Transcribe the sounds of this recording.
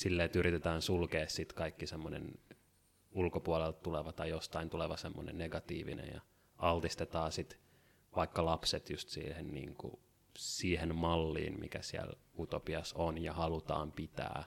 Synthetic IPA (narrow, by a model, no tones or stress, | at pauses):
silːeːt̪yrit̪et̪æːnsulkeːssit̪kɑikːisemːonḛn | ulkopuolelt̪t̪uleʋɑt̪ɑjjost̪ɑint̪uleʋɑsemːo̰nḛnneɡɑt̪ḭːʋḭnḛjjɑ̰ | ɑlt̪ist̪et̪ɑːsit̪ | ʋɑikːɑlɑpset̪just̪sḭːhennḭːŋkṵ | siːhenmɑlːḭːnmʔḭkæsiæ̰lut̪opiɑsonjɑhɑlut̪ɑ̰ːmpit̪æ̰ː